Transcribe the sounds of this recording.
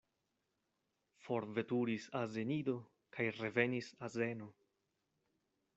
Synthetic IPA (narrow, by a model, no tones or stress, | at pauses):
fo̞ɾve̞tuɾisaze̞nido̞ | kʰajɾe̞ve̞nisaze̞no̞